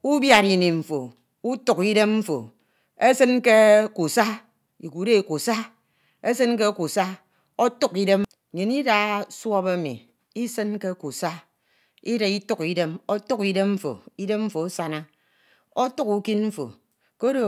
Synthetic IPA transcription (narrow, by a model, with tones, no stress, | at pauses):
u˦bja˨ɾi˨ni˨m̩˨fo̰˨ | u˦tu˦ki˦de˦mm̩˦fo̰˨ | e˦sɨ˦nke˦ku˨sa˦ | i˨ku˨de˦i˨ku˨sa˦ | e˦sɨ˦nke˦ku˨sa˦ | o˦tu˦ki˨de˦m˨ | ɲe˨ni˦da˦swɔ˦be˦mḭ˨ | i˦sɨ˦nke˦ku˨sa˦ | i˦de˨i˦tu˦ki˨de˦mo˦tu˦ki˨de˦mm̩˦fo̰˨i˦de˦mm̩˦fo˨o˦sa˦na˦ | o˦tu˦ku˦ki˦nm̩˦fo̰˨ | ko˦do˨